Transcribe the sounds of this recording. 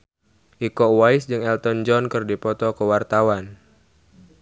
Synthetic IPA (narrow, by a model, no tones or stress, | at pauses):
ʔikɔwaisd͡ʒɨŋɛlt̪ɔnd͡ʒɔnkɨrdipɔt̪ɔkəwart̪awan